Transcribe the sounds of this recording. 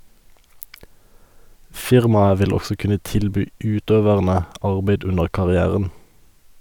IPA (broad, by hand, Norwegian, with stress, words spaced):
ˈfɪʁmɑə ˈʋɪl ˈɔsɔ ˈkʉnə ˈtɪlˌbyː ˈʉːˌtøːʋəʁnə ˈɑʁbeɪd ˈʉnəʁ kɑʁɪˈæːʁən